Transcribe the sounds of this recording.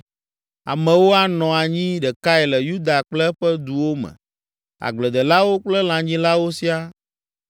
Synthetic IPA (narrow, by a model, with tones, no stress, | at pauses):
a̰˨mɛ̃˨wo˦a˦nɔ̃˨a˨ɲĩ˦ɖɛ˨ka˦ɛ˨lɛ˨ju˦d̪a˨k͡plɛ˦ɸɛ˦d̪u˨wo˦mɛ̰̃˨ | a̰˨ɡ͡blɛ˨d̪ɛ˨la˦wo˦k͡plɛ˦l̃ã˨ɲĩ˦la˦wo˦si˦a˦